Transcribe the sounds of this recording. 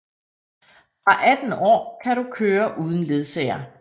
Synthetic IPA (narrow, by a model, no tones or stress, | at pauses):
fʁɑ̈ʔæd̥n̩ɒ̰ːkʰæɾukʰøːɐʔuːð̞ˠn̩le̝ð̞ˠsɛɪɐ